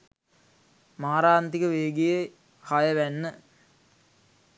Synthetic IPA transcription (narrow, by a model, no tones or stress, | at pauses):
maːɾaːnt̪ikəʋeːɡijə | hajəʋænːə